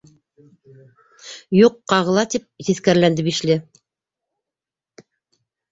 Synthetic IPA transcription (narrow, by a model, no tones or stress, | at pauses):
juqːɑʁɤ̆lˠɑt̪ip̚ziθkæɾlænd̪ɘβiʃlɘ